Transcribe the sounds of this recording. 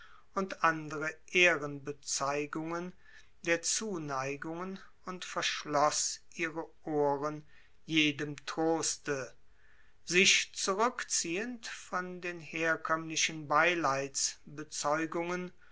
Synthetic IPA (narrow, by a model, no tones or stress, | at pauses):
ʊntʔandəʁəʔeːʁənbət͡saɪɡʊŋən | deːɐt͡suːnaɪɡʊŋən | ʊntfɛɐʃlɔsʔiːʁəʔoːʁən | jeːdəmtʁ̥oːstə | zɪʃt͡suʁʏkt͡siːəntfɔndeːnheːɐkʰœmlɪʃənbaɪlaɪt͡sbət͡sɔʏɡʊŋən